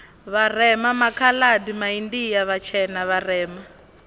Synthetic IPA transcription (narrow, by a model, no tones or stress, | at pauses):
βarɛmamakʰaladimaindijaβat͡ʃʰɛnaβarɛːma